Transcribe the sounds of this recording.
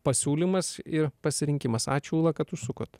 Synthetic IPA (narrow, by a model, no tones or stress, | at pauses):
pɐsʲuːlʲimɐsɪɾpɐsʲɪɾʲɪŋʲkʲɪmɐsɑ̰ːt͡ʃʲuːlˠɐkɐt̪t̪ːʊsʊkʊt̪